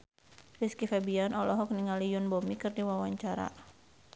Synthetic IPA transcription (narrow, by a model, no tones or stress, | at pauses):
riskifabianɔlɔɦɔk̚niŋalijʊnbɔmikɨrdiwawaɲt͡ʃaɾa̰